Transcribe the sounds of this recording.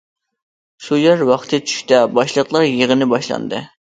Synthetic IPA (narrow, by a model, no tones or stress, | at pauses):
ʃujæɾwɑχt̪ʰɨt͡ʃʰy̥ʃʲt̪ɛbɑʃlˠəqlˠɑɾjeʁənɨbɑʃlˠɑ̰nd̪ɨ̰